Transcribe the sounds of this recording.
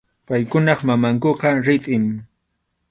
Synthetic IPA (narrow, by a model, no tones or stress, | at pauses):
pajkʊnɑχmamaŋkoqɑɾɪt̪ʼɪm